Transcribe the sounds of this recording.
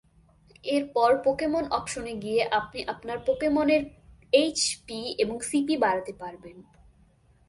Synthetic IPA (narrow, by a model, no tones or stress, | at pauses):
eɾpɔɾpokemonʔɔkʃoneɡieʔap̚niʔapnaɾpokemoneɾejt͡ɕpieboŋsipibaɾat̪epaɾben